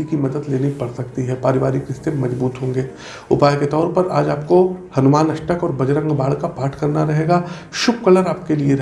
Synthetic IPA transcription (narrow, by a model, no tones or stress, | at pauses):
ikimɐd̪əd̪leːnipɐɽsɐkt̪iɦɛpaːɾɪʋaːɾikɾɪst̪emɐzbuːt̪ɦõːŋɡeː | ʊpaːjket̪ɔːɾpɐɾaːd͡ʒaːp̚kohɐnʊmaːnɐʃʈəkɔːɾbɐd͡ʒɾə̃ŋɡbaːɭkapaːʈʰkɐɾnaɾɐɦeːɡaː | ʃʊb̚kɐləɾaːp̚kelieɾɐ